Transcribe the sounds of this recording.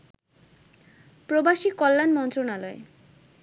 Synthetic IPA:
pɾobaʃikɔlːanmɔnt̪ɾonalɔe

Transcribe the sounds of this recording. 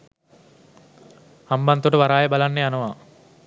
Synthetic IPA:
hambant̪oʈəʋaɾaːjebalanːeanɐʋa

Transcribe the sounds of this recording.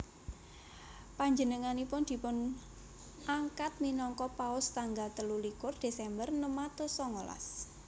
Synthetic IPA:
paɲd͡ʒənəŋanipʊnd̪̥i̤pʊn | aŋkat̪̚minɔŋkɔpaʊst̪aŋɡalt̪əlulikʊrd̪̥e̤sɛmbərnəmat̪osɔŋola̰s

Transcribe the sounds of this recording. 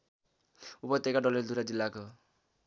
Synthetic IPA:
upʌt̪ekaɖʌleɾd̪ʱuɾad͡zilːako

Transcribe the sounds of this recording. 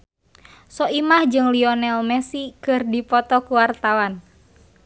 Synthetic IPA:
sɔimahd͡ʒɨŋliɔnɛlmɛsikɨrdipɔt̪ɔkuwart̪awan

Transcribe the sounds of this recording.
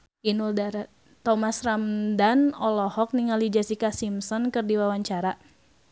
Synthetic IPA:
ʔinuldaɾa | t̪ɔmasramdanɔlɔhɔk̚niŋalid͡ʒasikasimsɔnkɨrdiwawaɲt͡ʃaɾa

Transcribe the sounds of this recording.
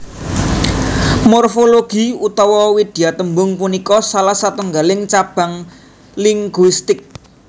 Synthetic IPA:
morfoloɡ̥i̤ut̪ɔwɔwid̪̥i̤at̪əmbʊŋpunikɔsalahsat̪ɔŋɡalɪŋt͡ʃab̥a̤ŋ | liŋɡwist̪ɪk̚

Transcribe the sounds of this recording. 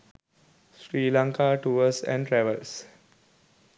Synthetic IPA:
sɾiːlãŋkaːʈuːəsɛ̰̃ɳʈɾɛʋəls

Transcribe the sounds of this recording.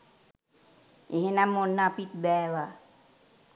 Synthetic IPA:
eɦenamːonːapit̪̚bɛːwa

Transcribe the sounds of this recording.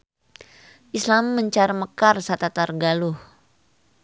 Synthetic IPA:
ʔislamːəɲt͡ʃaɾməkarsat̪at̪arɡalʊh

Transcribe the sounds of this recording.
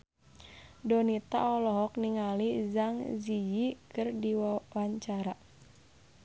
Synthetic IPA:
dɔnit̪a̰ɔlɔɦɔk̚niŋalizaŋzijikɨrdiwaɲt͡ʃaɾa

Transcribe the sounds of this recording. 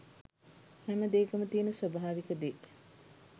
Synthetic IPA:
hæməd̪eːkɐmət̪iːnəsʋɐbaaːʋikəd̪e

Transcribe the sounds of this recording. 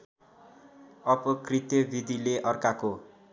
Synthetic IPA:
ʌpʌkrit̪jʌbʱid̪ʱileʔʌrkako

